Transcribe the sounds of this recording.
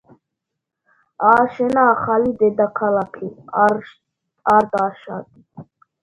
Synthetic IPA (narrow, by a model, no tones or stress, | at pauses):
aːʃɛnaːχalid̪ɛd̪akʰalakʰi | aɾd̪aʃad̪ʼ